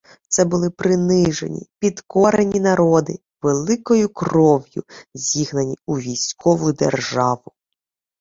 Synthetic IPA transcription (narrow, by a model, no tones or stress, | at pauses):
t̪sɛbʊlˠɪpɾɪnɪʒḛnʲḭpʲid̪kɔɾenʲinɐɾɔd̪ɪ | ʋelˠɪkɔjʊkrɔʋjʊ̰zʲiɦnɐnʲiuʋʲijsʲkɔʋʊd̪ḛrʒɑʋʊ